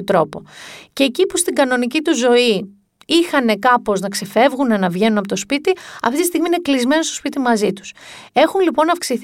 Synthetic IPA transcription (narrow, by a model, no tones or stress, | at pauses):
ot̪ɾo̞po̞̰ce̞ːcipust̪iɡɐno̞nicit̪uzo̞i | ixɐne̞kɐpo̞znɐkse̞fe̞vɣune̞nɐvʝe̞nunɐpot̪o̞spit̪iɐ̰ft̪it̪ist̪iɣmine̞klizme̞no̞st̪o̥spit̪imɐzit̪u̥se̞xunlipo̞nɐfksiθ